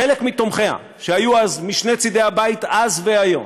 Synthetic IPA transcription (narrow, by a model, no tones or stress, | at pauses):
elekmit̪o̞mχe̞a̰ | ʃeajuazmiʃne̞t͡sid̪e̞habait̪azveajo̞̰m